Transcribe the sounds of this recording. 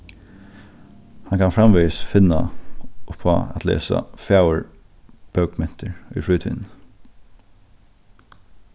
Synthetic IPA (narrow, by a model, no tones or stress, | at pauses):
hankʰanfɹamʋiːsfɪnːa̰ʊpʰːa̰æt̪ʰlḛːsa̰fjaːwəɹ | b̥œwkmɛn̥t̪ʰəɹʏ̰jfɾuːt̪ʰḭːn